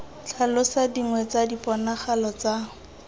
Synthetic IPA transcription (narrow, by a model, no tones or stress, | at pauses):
t͡ɬʰalʊsadiŋwɛt͡sadipʼɔnaχalɔt͡sa